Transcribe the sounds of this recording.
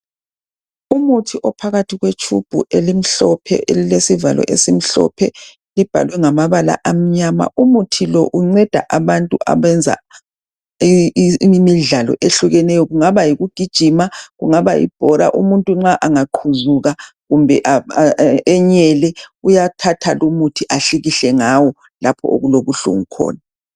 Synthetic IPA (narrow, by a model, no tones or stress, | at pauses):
umutʰiʔɔpʰaɣatʰiɣwet͡ʃʰṵb̥ʱuʔelim̩ɬɔpʰɛ̰ʔelilesiva̰lɔ̰ʔesim̩ɬɔ̰pʰɛ | lib̥ʱa̰lwɛŋamaβala̰ʔam̩ɲama̰ʔumutʰilɔʔuŋ͡ǀɛd̥ʱa̰ʔaβantʼuʔa̰βɛnd͡zʱa̰ | miɮalɔ̰ʔeɬuɣɛnɛjɔɣuŋaβajiɣuɡ̥ʱid̥ʒ̥ʱimaɣuŋaβajḭb̥ʱɔɾa̰ʔumuntʼuŋ͡ǁaʔaŋaǃʰuzuɣaɣumbʱɛʔa | ɛɲɛlɛujatʰatʰalumutʰiʔaɬiɣiɬɛŋawɔ | lapʰɔ̰o̰ɣuloβuɬṵŋukʰɔ̰ːna